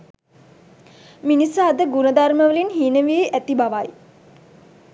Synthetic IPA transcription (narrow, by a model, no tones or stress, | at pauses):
minisəad̪əɡunəd̪arməʋəlinɦiːnəʋieʔæt̪ibaʋaj